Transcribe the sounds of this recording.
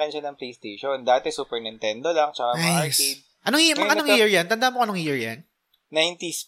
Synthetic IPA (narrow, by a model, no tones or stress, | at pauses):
ɪnʃanɐŋplejst̪ejʃond̪aːt̪ɛsuːpɛɹnɪnt̪ɛnd̪olaŋt͡ʃɐkaɐaɹsed̪̚ | ʔɐnoŋimɐʔɐnoŋhiɹjant̪ɐnd̪ahmoʔɐnoŋjiɹjɐ̰n | najnt̪is